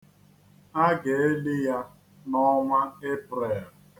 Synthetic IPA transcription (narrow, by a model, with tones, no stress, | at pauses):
a˦ɡe˨e˦lɪ˦ja˦ | nɔ˦mʷa˦e˦pɾe˨a˨